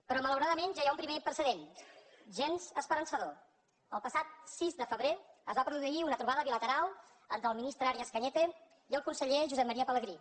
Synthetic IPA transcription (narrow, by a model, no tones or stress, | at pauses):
pɾɔmələwɾaðəmenʒajaumpɾimeinp̪ɾəsəðen | ʒenzəspəɾənsəðo | əlˠpəsat̪̚sizd̪əfəβɾeəzβapɾuðuiunət̪ɾuβaðəβilət̪əɾalˠ | ənt̪ɾəlˠminist̪ɾəaɾiəskəɲɛt̪e | iəlˠkunsəʎeʒuzɛmːəɾiəpələɣɾi